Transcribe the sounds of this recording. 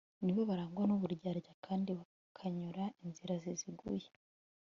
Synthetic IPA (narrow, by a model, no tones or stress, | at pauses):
niβo̞βaɾaːŋɡwanoβuɾɟaɾɟakʰaːndiβa | kʰaɲuɾaʔinziɾaziziɡṵje